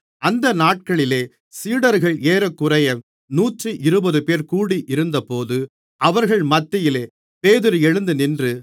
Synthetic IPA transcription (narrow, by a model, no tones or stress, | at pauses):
ɐnd̪ɐnaːʈ̚kɐɭɪleː | siːɽɐɾɣɐɭeːɾɐkːʊɾɐjɐ | nuːʈrɯʔɪɾɯbɐðɯpeːɾkuːɽiʔɪɾɯnd̪ɐpoːðɯ | ɐʋɐɾɣɐɭmɐt̪ːɪjɪleː | peːðɪɾɯɛɻɯnd̪ɯnɪndrɯ